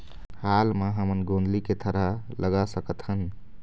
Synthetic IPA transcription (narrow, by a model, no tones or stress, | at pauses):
halmaɦəmənɡõnd̪liket̪ʰəɾa | lʔəɡasəkət̪ɦən